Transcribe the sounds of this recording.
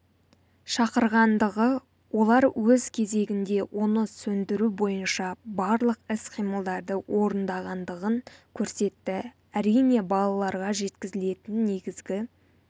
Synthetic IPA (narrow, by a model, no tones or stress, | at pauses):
ʃɑqəɾʁɑnd̪əʁə | wʔo̞lˠɑɾwɵzkʲʰe̞ze̞ɡʲɪnd̪e̞wʔonəsɵnd̪ɪɾubo̞jənʃɑbɑɾlˠəqɪsqʰijməlˠd̪ɑɾd̪əwʔo̞ɾənd̪ɑʁɑnd̪əʁəŋkʲʰɵɾse̞t̪ːɪ | æɾijne̞bɑlˠɑlˠɑɾʁɑʒe̞t̪kʲɪzɪle̞t̪ɪnːe̞ɡʲɪzɡʲɪ